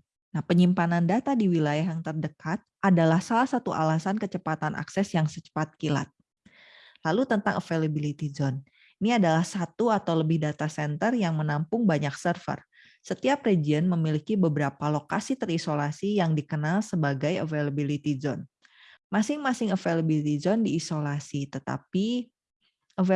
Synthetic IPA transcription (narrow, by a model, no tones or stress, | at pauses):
nahpəɲimpanandat̪adiwilajaɦjaŋt̪ərdəkat̪̚ʔadalahsalahsat̪uʔa̰lasankət͡ʃəpat̪anʔa̰ksɛsjaŋsət͡ʃə̥pat̪̚kila̰t̪̚ | lalut̪ənt̪aŋəfelabilit̪izɔn | iniadalahsat̪uat̪awləbɪhdat̪asɛnt̪ərjaŋmənampʊŋbaɲaksərfə̰r | sət̪iap̚ɾed͡ʒiənməmilikibəbəɾapalokasit̪ərisolasijaŋdikənalsəbaɡajə̰velabilit̪izɔ̰n | masɪŋmasɪŋəfelabilit̪izɔndiːsolasit̪ət̪a̰pi | ə